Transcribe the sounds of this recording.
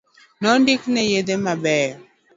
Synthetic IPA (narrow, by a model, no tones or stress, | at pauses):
nɔndiknɛjedemabɛː